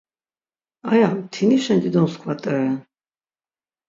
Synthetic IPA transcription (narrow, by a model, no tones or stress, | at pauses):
ajamt̪ʰiniʃɛnd̪id̪ɔnskʰwat̪ʼɛɾɛ